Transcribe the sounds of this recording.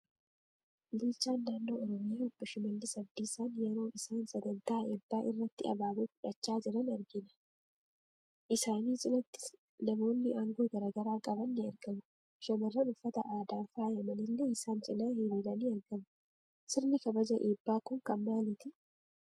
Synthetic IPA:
bɪlt͡ʃːaːnːaːnːo̞ːɔɾɔmɪjaːʊbːɐʃɪmɐlːɪsɐbd̪iːsaːnjɛɾo̞ːʔɪsaːnsɐd̪ɐnt̪aːʔeːbːaːʔɪrːɐt̪ːɪɐ̰baːbuːfʊᶑɐt͡ʃːaːd͡ʒɪɾɐnɐɾɡɪnɐ̥ | ʔɪsaːniːsʼɪlɐt̪ːɪ̥s | nɐmo̞ːnːɪʔaːŋɡo̞ːɡɐɾɐɡɐɾaːkʼɐbɐnːɪɐɾɡɐmʊ | ʃɐmɐrːɐnʊfːɐt̪ɐ̰ʔaːd̪aːfaːjɐmɐnɪlːɛɪsaːnt͡ʃʼɪnaːheɾiːlɐniːɐɾɡɐmɐ | sɪɾnɪkɐbɐd͡ʒɐʔeːbːaːkʊŋkɐmmaːlɪt̪ɪ

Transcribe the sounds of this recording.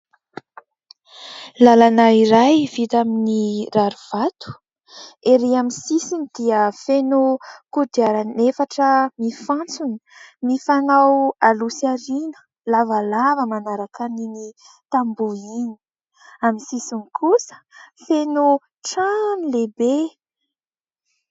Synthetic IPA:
lalanaiɾajvit̪aminiraɾuv̥at̪u̥ | eɾiamisisinid̪iəfenokud̪iaɾanefaʈ͡ʂəmifãnt͡suni̥mifanawalusaɾinə̥ | lavalavəmanaɾakanini | t̪ambuini̥ | amisisinikʰusə̥feno | ʈ͡ʂanilebe

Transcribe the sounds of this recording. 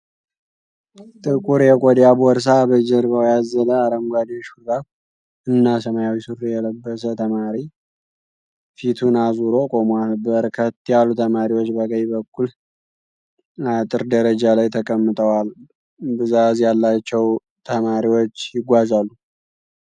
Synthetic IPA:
t̪ʼɨkʼuɾjɛkʼod̪jabɔɾs̬abəd͡ʒɛɾβəwjazələaɾəmɡʷad̪iʃuɾd̪ak | ɨnːasəmajawisɨɾjɛləbːəs̬ət̪ʰəmaɾi | fit̪ʰunazuɾo̞kʼomanbəɾkʰət̪ːijalːut̪ʰəmaɾiwo̞t͡ʃːbəkʼəjbəkʰːul | at̪ʼɨɾd̪əɾəd͡ʒalajt̪ʰəkʼəmːɨt̪ʼəwal | bɨzazjalːat͡ʃːɛw | t̪ʰəmaɾiwot͡ʃːjɪɡʷazalːu

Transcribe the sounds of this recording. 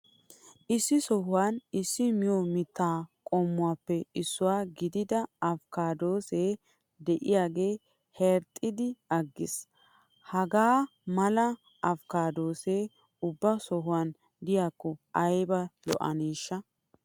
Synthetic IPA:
ʔɪsːɪsɔhʊwaːnɪsːɪmɪjɔmɪt̪ːaːkʼoːmːʊwaːpːɛɪsːʊwaːɡɪd̪ɪd̪ɐɐfkaːd̪o̞ːseː | d̪ɛʔɪjaːɡe̞ː | hɛɾt̪ʼːɪd̪ɪɐɡːɪs | hɐɡaː | mɐlɐ | ɐfkaːd̪o̞ːse̞ː | ʊbːɐsɔɦʊwan | d̪ɪjaːkːɔɐjbɐlɔ̰ʔɐ̰niːʃːɐ

